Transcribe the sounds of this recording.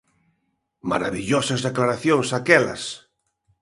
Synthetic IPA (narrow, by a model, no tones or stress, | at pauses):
ma̰ɾaβiʎosazðeklaɾaθjõŋsakɛla̰s